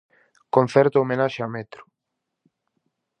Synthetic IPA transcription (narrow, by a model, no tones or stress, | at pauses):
kon̟θɛɾt̪oomenaʃeamɛt̪ɾʊ̥